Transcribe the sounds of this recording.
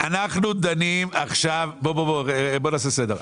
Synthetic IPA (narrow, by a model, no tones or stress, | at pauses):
anaχnud̪animaχʃavbobobobonaːs̬esed̪eʁ